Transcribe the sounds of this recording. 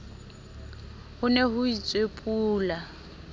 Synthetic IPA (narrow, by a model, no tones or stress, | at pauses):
hʊneɦʊit͡sʼwepʼuːla